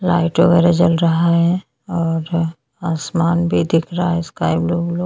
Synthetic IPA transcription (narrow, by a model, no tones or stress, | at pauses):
laːɪʈʋəɡɛːɾed͡ʒəlɾɐɦaɦɛ | ɔːɾ | aːsmaːnbʱid̪ɪkʰɾaɦaɦɛskaːɪbloːblo